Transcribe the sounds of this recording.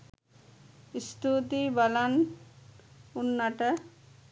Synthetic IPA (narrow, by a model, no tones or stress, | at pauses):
ist̪ʰut̪ibalan | unːaʈə